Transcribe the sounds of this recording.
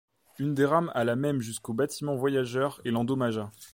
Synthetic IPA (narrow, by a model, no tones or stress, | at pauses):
ynd̪eʁamalamɛmʒyskobat̪ʰimɑ̃vwajaʒœʁelɑ̃d̪ɔmaʒa